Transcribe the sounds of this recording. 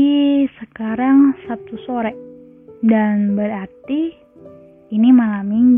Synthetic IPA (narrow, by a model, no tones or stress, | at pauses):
isəkaɾaŋsap̚t̪usoɾɛʔ | danbəɾart̪i | nimalamiŋ